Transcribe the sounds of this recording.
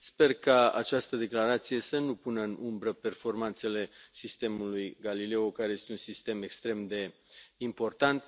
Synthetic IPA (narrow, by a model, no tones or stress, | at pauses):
spe̞rkaa̰t͡ʃast̪əd̪e̞klaɾat̪sije̞sənupunəɨnumbɾəpe̞rfo̞rmant̪se̞le̞sist̪e̞mulujɡalile̞okaɾeje̞st̪e̞unsist̪e̞me̞kst̪ɾe̞md̪e̞impo̞rt̪ant̪